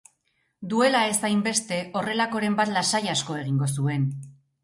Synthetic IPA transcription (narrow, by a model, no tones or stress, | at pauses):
d̪ue̞lae̞sajmbe̞st̪e̞o̞re̞lako̞ɾe̞mbat̪lasajasko̞e̞ɣiŋɡo̞sue̞n